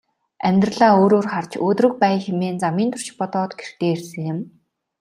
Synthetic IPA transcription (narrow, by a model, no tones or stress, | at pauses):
æmʲt̪r̆ɮaːoːɾoːrχar̥t͡ɕoːt̪rɵ̆k̚pæːxemeːnt͡samiːnt̪ʰʊ̥r̥ʃɪ̥̆pɔt̪ɔːt̪ɡerxt̪eːersɘ̆ŋjɪ̆m